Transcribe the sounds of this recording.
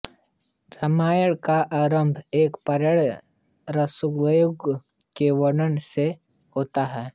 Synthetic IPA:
ɾəmaːjəɽkaʔaːɾəmbʱeːkpəɾəɽ | ɾəsʊɡʋəjʊɡ | keʋəɽənse | hoːt̪aɦɛː

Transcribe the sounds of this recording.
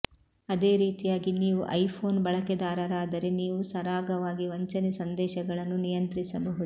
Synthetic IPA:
ɐd̪e̞ːɾiːt̪ijaːɡiniːʋuʔɐjpʰo̞ːnbɐɭɐkɛd̪aːɾɐɾaːd̪ɐɾeniːʋusɐɾaːɡɐʋaːɡiʋɐɲt͡ʃɐnisɐnd̪ɛːʃɐɡɐɭɐnːunijɐnt̪ɾisɐbɐɦud̪u

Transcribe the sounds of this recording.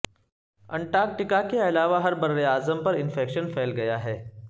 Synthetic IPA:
ɐ̃ɳʈaːk̚ʈɪkakeɐlaːʋaɦɐɾbɐɾːejaːzəmpɐɾɪnfɛːkʃənfʰɛːlɡɐjaɦɛː

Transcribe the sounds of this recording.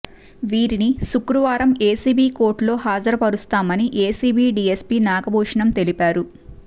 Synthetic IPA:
ʋiːɾinisukɾuʋaːɾɐmeːsiːbiːko̞ːɾʈlo̞ːɦaːd͡ʒɐɾɐpɐɾust̪aːmɐniʔeːsiːbiːɖiːespiːnaːɡɐbʱuːʂɐɳɐmt̪e̞lipaːɾu

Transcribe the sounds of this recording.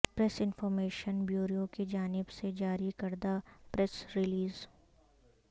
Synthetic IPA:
pɾɛsɪnfɔːɾmeːʃənbjuːɾijokid͡ʒaːnɪbsed͡ʒaːɾikɐɾd̪apɾɛsɾɪliːz

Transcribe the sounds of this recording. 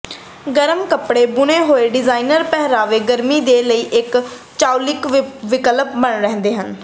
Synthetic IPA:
ɡəɾəmkəpɽeːbʊneːɦoːeːɖɪzaːinəɾpɛɦɾaːʋeːɡəɾmiːd̪eːləiːʔɪk | t͡ʃaːulɪkʋɪkələp̚bəɳɾɛɦnd̪eːɦən

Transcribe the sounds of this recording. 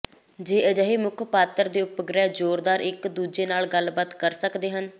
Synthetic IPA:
d͡ʒeːʔəd͡ʒəɦeːmʊkʰpaːt̪əɾd̪eːʊpəɡɾɛːd͡ʒoːɾd̪aːɾɪkd̪uːd͡ʒeːnaːlɡəlbaːt̪kəɾsəkd̪eːɦən

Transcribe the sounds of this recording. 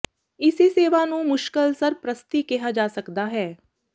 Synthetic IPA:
ɪsiseːʋanũmʊʃkəlsəɾpɾəst̪ikɛɦad͡ʒaːsɐkd̪aɦɛː

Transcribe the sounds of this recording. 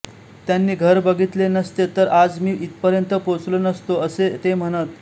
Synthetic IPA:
t̪ːjanːiːɡʱəɾbəɡʱit̪lenəst̪et̪əɾad͡zmiːʔit̪pəɾjənt̪əpot͡slonəst̪oəset̪em̤əɽ̃ət̪

